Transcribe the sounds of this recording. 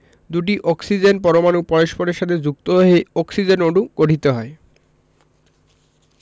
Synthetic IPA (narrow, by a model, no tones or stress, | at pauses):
d̪uʈ̬iʔɔksid͡ʑenp̬ɔɾomanupɔɾeʃpoɾeɾʃat̪ʰed͡ʑuk̚t̪oɦoɦeɔksid͡ʑenoɖuɡoʈit̪oɦɔe